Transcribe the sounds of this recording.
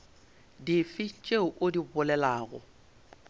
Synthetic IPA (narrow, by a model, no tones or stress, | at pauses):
difit͡ʃʼeʊʔodibʊlɛlaːɣɔ̰